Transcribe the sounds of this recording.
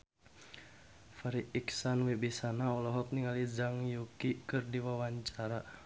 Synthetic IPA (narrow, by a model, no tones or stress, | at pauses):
faɾiiksanwebisanaɔlɔɦɔk̚niŋalid͡ʒaŋjukikɨrdiwawaɲt͡ʃaɾa